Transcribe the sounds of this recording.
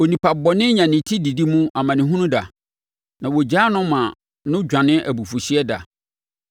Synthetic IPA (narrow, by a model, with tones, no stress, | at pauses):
o˨nĩ˨pa˨bɔ˨nɪ̃˦ɲã˨nɪ̃˨tʰi˦di˨di˦mũ˦a˨mã˨nɪ̃˨ɦũ˦nũ˦da˨ | nã˨wɔ˨d͡ʑaː˦nʊ̃˦mã˨ | nʊ̃˦d͡ʑᶣã˨nɪ̃˦ʔæ̰˨bu˨fu˨ɕi˦ɛ˦da̰˨